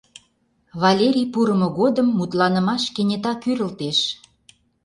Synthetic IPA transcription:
βɑlʲeɾʲijpuɾə̆mŏɣod̪əmːut̪lɑnə̆mɑʃkenʲet̪ɑkyɾə̆lt̪eʃ

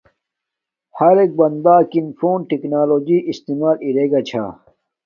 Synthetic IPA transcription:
hɐɾek̚bɐnd̪aːkinfoːnʈiknaːloːd͡ʑiʔist̪imaːliɾeɡɐt͡ɕʰa̰ː

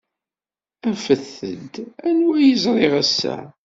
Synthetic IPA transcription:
æfəθəd̪ænwæjəzɾˤeʁæsːæ̰

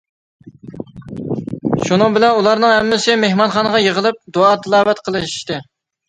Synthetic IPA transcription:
ʃunɨŋbɪlɛnulˠɑɾnɨŋɦɛmːɪsɪmehmɑnχɑːnəʁɑjəʁəlˠɨp̚d̪oɑt̪ʰɨlˠɑːvɛt̪qʰəlˠɨʃi̥ʃt̪ɨ

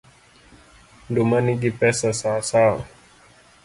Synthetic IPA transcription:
dumaniɡipɛsasasal

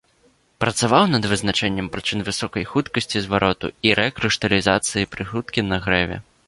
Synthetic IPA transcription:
pɾɐt̪savawnɐd̪vɨznat͡ʂɛnʲːɐmpɾɨt͡ʂɨnvɨsɔkɐjxut̪kɐsʲt͡sʲizvaɾʔɔt̪ṵiɾɛkɾɨʂt̪ɐlʲizat̪sɨjipɾɨxut̪kʲinɐɣɾɛvʲɛ̰

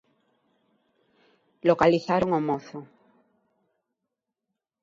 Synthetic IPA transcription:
lokaliθaɾoŋomoθo

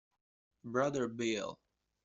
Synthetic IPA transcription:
bɹʌðə˞bilˠ

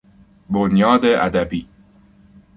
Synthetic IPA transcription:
bonjɒːd̪eʔæd̪æbiː

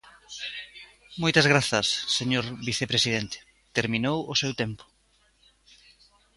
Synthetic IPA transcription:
mojt̪ɐzɣɾaθɐsːeɲoɾβiθepɾesiðent̪e̥ | t̪eɾminowʊsewt̪empʊ̥

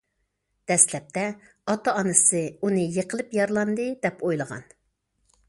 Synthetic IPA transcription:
d̪̥ɛslɛp̚t̪ʰɛ | ɑt̪ɑːnɨsɨunɨjəqʰəlˠɨpjɑɾlˠɑnd̪ɨd̪ɛpojlˠəʁɑ̰n

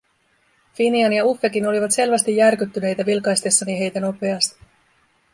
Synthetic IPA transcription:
finiɑnjɑufːe̞k̟ino̞liʋɑt̪se̞lʋæst̪ijːærkyt̪ːyne̞jt̪æʋilkɑjst̪e̞sːɑniɦe̞jt̪æno̞pe̞ɑst̪i̥

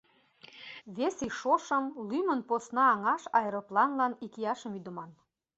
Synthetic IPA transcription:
βesiʃoʃəmlymənposnɑːŋɑʃɑjəɾoplɑnlɑnikijɑʃəmyd̪ə̆mɑn

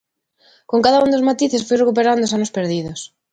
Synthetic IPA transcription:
koŋkaðaund̪ozmat̪iθesfojrekup̬eɾand̪osanospeɾðiðos

